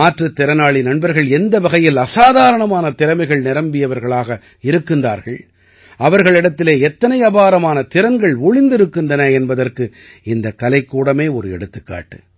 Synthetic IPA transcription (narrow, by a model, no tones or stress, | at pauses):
aːʈrɐt̪ːɪɾɐnaːɭinɐɳbɐɾɣɐɭɛnd̪ɐʋɐɣɐjɪlɐsaːðaːɾɐɳɐmaːnɐt̪ɪɾɐmɐɪɣɐɭnɪɾɐmbɪjɐʋɐɾɣɐɭaːɣɐ | ɪɾɯkːɯnda̰ːɾɣɐɭ | ʔɐʋɐɾɣɐɭɪɽɐt̪ːɪleːɛt̪ːɐnɐɪjɐbaːɾɐmaːnɐt̪ɪɾɐŋɡɐɭʊɭɪnd̪ɪɾɯkːɯndɐnɐɛnbɐðɐrkɯ | ɪnd̪ɐkːɐlɐɪkːuːɽɐmeːɔɾɯɛ̰ɽɯt̪ːɯkːa̰ːʈːɯ̥